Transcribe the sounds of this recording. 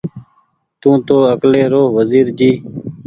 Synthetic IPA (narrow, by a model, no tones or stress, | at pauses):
t̪ũːt̪oːəkleːɾoːʋəziːɾd͡ʒiː